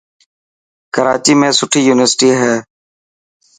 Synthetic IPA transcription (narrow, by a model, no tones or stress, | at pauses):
kəɾaːt͡ʃiːmẽːsʊʈʰiːjuːnɪʋəɾsʈiːɦɛː